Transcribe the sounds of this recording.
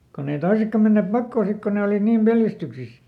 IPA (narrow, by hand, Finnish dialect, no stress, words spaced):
konː ei toisekːɑ menːeːp pɑkːoː sik ko ne oliˑt niːm peljæstyksis